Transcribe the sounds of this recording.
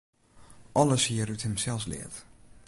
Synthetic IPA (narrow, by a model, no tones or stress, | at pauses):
ʔɔləshiːəruthəmsɛlˠflɪ̰ət